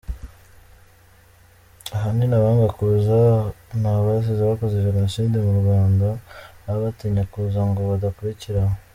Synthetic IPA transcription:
aɦaninaβaːŋɡakuzanaβajas̬ezaβakozeβiɾanʃiːndemuɾɡwaːndaβaβatiɲakuːzaŋɡoβadakuɾiciɾamo

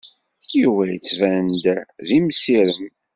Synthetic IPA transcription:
juwæjt͡sːvænd̪ðimsiɾəm

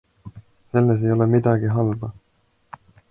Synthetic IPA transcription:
se̞lːes̬e̞jo̞lemid̪ɑɡiɦɑlbɑ

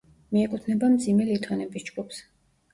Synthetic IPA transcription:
miɛkʼut̪ʰnɛbamd̪zimɛlit̪ʼɔnɛbisd͡ʒɡups

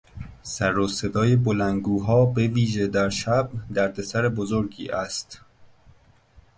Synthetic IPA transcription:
sæɾose̞d̪ɒːje̞bolænɡuːɦɒːbe̞viːʒe̞d̪æɾʃæb̚d̪æɾd̪e̞sæɾebozoɾɡḭːʔæst̪

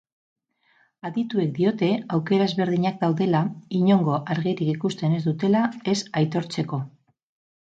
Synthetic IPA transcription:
aðit̪ue̞k̚d̪io̞t̪e̞awke̞ɾaezβe̞ɾðiɲak̚d̪awðe̞laiɲo̞ŋɡo̞ʔaɾɣiɾikikust̪e̞ne̞zd̪ut̪e̞lae̞sajt̪o̞ɾt͡se̞ko̞

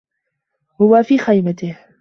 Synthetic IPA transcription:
hʊwafiːxajmat̪ɪh

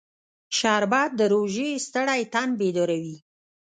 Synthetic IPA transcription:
ʃɑɾbɑd̪̚d̪ːəɾoʒest̪əɽajt̪anbed̪oɾawi

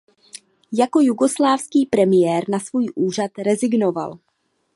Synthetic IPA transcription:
jako̞juɡo̞slaːfskiːpɾɛmɪjɛːɾnasvuːjʔuːr̝at̪ɾɛzɪɡno̞va̰l

